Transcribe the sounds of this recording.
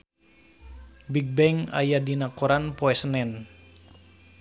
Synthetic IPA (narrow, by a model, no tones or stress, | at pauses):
biɡ̚bɛŋa̰jadinakoɾanpoɛsənɛn